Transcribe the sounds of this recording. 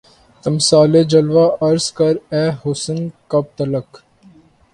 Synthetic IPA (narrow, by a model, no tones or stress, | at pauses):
t̪əmsaːled͡ʒəlʋaːʔɐɾskɐɾɛːɦʊsənkɐb̚t̪ələk